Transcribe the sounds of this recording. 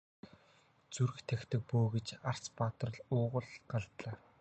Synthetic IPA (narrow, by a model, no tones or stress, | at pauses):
t͡sur̆xt̪ʰæxt̪ʰɘ̆k̚poːɣet͡ɕar̥t͡spat̪̆rə̆ɮʊːʁə̆ɮɢaɮt̪ɮaː